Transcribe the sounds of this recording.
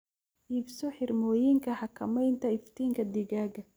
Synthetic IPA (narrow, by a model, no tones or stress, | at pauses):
ʔiːbsɔħɪrmɔːjɪŋkʰɐhɐkʰɐmɛjnt̪ʰɐɪft̪ʰiːŋkʰɐd̪ɪɣaːɣɐ